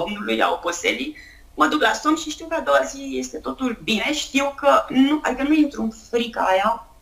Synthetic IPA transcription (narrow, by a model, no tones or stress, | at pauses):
omnuluja̰oposeli | məd̪uklasumʃiʃt̪iwkəad̪o̞wazije̞st̪e̞t̪o̞t̪ulbine̞ʃt̪iwkənuʔa̰d̪ikənueint̪ɾunfɾika̰ːja